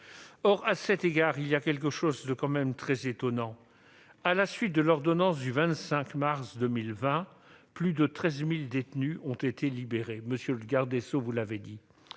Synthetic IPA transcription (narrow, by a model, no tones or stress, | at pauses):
ɔʁasɛt̪eɡaʁilijakʲɛlk̬əʃozd̪əkɑ̃mɛmt̪χɛzet̪ɔnɑ̃ | alasɥit̪̚d̪əlɔʁd̪ɔnɑ̃s̬d̪yvɛ̃t̪sɛ̃kmaʁsd̪əmilvɛ̃ | plyd̪ət̪χɛzmild̪et̪nyɔ̃t̪et̪ʰelibeʁeməsjøləɡaʁd̪esovulaved̪i